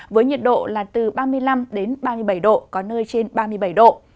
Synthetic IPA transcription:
vəː˨˦jɲi˨˩t̚ɗo̰˧˨laː˨˩t̪ɨ˨˩ɓaː˧mɨ˧əjla˧mɗe˨˦nɓaː˧mɨ˧əjɓə˧˩jɗo̰˧˨kɔ˨˦nəː˧jt͡ɕe˧nɓaː˧mɨ˧əjɓə˧˩jɗo̰˧˨

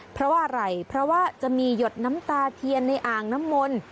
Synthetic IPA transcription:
pʰɾɔ˦˥waː˥˩ɾa˨˧˩jpʰɾɔ˦˥waː˥˩t͡ɕa˨˩ʔmiː˧jo˨˩t̪̚na˦˥mt̪aː˧t̪ʰi˧ənːa˧jʔaː˨˩ŋna˦˥mːo˧n

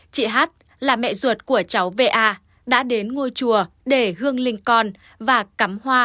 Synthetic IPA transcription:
t͡ɕḭ˧˨ɦaː˦˥t̚ | laː˨˩mɛ̰˧˨zwə˨˩t̚ku˧˩ət͡ɕa˨˦wve˧ʔaː˧ | ɗa̰ː˧˥ɗe˨˦nŋo˧jt͡ɕu˨˩ə | ɗe˧˩hɨ˧əŋlï˧ŋ̟kɔ˧n | vaː˨˩ka˨˦mhwaː˧

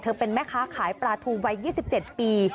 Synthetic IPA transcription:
t̪ʰɤː˧pe˧nmɛː˦˥˩kʰaː˦˥kʰaː˩˦jpɾaː˧t̪ʰuː˧wa˧jːiː˥˩si˨˩p̚t͡ɕe˨˩t̪̚piː˧

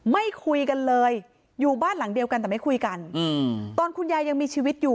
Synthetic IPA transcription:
ma˥˩jkʰu˧jka˧nlɤː˧jː | uː˨˩baː˥˩nla˩˦ŋdi˧əwka˧nt̪ɛː˨˩ma˥˩jkʰu˧jka˧n˧t̪ɔː˧nkʰu˧njaː˧jːa˧ŋmiː˧t͡ɕʰiː˧wi˦˥t̪̚juː˨˩

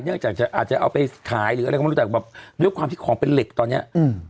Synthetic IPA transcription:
na˥˩ŋt͡ɕaː˨˩k̚t͡ɕa˨˩ʔaː˨˩t͡ɕa˨˩ʔa˧wpa˧jt̪ʰaː˩˦jɾːt͡ɕːa˨˩bɛː˨˩p̚du˥˩jkwaː˧mt̪ʰiː˥˩kʰɔː˩˦ŋpe˧nle˨˩k̚t̪ɔː˧nːi˦˥ɐʔ

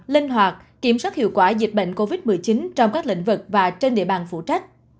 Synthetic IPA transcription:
li˧ŋ̟ɦwaː˨˩t̚ | kːi˧˩əmswaː˦˥t̚hḭ˧˨wkwaː˧˩zi˨˩t̚ɓə̰˧˨ŋ̟ko˧vi˦˥t̚mɨ˨˩əjt͡ɕi˨˦nt͡ɕɔ˧wŋ͡mkaː˦˥k̚lḭ˧˥ŋ̟vɨ˨˩k̚vaː˨˩t͡ɕe˧nɗḭ˧˨əɓaː˨˩nfṵ˧˩t͡ɕa˦˥k̟̚

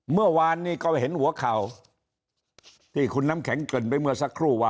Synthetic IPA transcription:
mɯ˥˩ɐwaː˧nːiː˥˩kɔː˧˩ɦe˨˩˦nhu˩˦ɐkʰa˨˩w | t̪ʰiː˥˩kʰu˧nːa˦˥˩mkʰɛ˩˦ŋkɤ˨˩npa˧jmɯ˧˥˩ɐsa˦˥kʰːɾuː˥˩waː˧

